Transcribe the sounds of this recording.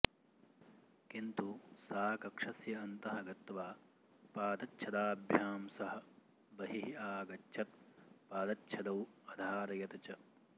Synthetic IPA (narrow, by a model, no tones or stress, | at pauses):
kint̪usaːkɐkʂɐsjɐːnt̪ɐɦɐɡɐt̪ʋaː | paːd̪ɐtːʃʰɐd̪aːbʱjaːmsɐɦɐ̆ | bɐɦiɦiaːɡɐtːʃʰɐt̪̚paːd̪ɐtːʃʰɐd̪ɐwɐd̪ʱaːɾɐjɐt̪ɐt͡ʃɐ